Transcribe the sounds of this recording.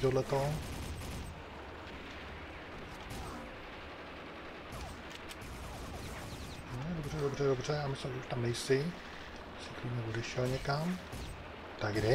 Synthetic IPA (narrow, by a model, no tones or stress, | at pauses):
t̪odlɛt̪o | nodobrɛdobrɛdobr̝ɛjaːmɪslimʒɛuʃt̪amnɛjsɪ | sɪkɾumɲɛbudɛʃɛlɲɛkam | t̪aɡdɛ